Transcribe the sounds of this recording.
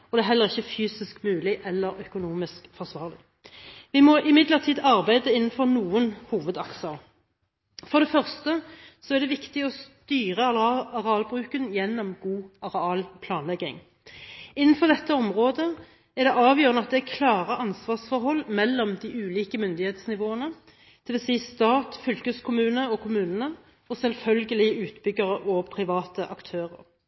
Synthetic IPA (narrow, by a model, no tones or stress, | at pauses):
ɔd̪ɛæːɦɛlːəʁɪçːəfyːsɪskmʉːlɪʔɛlːəɾœkʊnuːmɪskfɔʁsʋɑːʁlɪ | ʋɪmɔʔɪmɪd̪ləʁt̪ʰiːd̪ɑʁbæɪd̪əɪnːn̩fɔʁnuːənhuːʋəd̪ɑksəʁ | fɔd̪ɛfœʁst̪əsɔæʁd̪ɛʋɪkt̪ɪɔst̪yːʁəɑlɑʁɛɑːlbʁʉːkənjɛnːɔmɡuːɑʁɛɑːlpʰlɑːnlɛɡɪ̰ŋ | ɪnːən̩fɔʁd̪ɛt̪ːəɔmʁoːd̪ə | æd̪ɛʔɑːʋjøːʁənəɑt̪̚d̪ɛækʰlɑːʁəʔɑnsʋɑːʁsfɔɾɦɔlːmɛlːɔmd̪iʔʉːliːkəmʏnd̪ɪheːt̪snɪʋoːənə | d̪̥ʰɪʋɛsiːst̪ɑːt̪fʏlkəskʰʊmʉːnəɔkʰʊmʉːnənə | ɔsɛlfœlɡəlɪʉːt̪bʏɡəʁəʔɔpʰʁɪʋɑːt̪əʔɑkt̪ʰøːʁə̰ɾ